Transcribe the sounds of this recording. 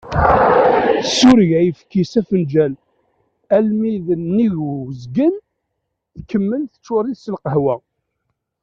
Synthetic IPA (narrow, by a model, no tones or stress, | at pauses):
suɾʝæjəfkːisæfənd͡ʒæl | ælmiðənːiʝzɡən | θkːəmːənθə̥t͡ʃːʊɾˤiθsəlqəɦwæ